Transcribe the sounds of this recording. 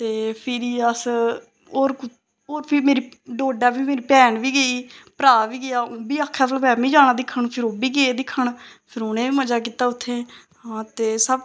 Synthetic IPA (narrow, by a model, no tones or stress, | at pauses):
t̪eːpʰɪɾiːəs | oːɾ | oːɾpʰiːmeːɾiːɖoːɖaːbiːmeːɾiːpɛːɳʋiːɡəiːpəɾaːʋiːɡɪjaːõːbiːaːkʰːɛ̃ːt̪əlpɛːmĩːd͡ʒaːnãːd̪ɪkʰːəɳpʰɪɾoːbiːɡəeːd̪ɪkʰːəɳpʰɪɾʊnẽːʋiːməd͡ʒaːkiːt̪aːʊt̪ʰːeː | ãːt̪eːsəb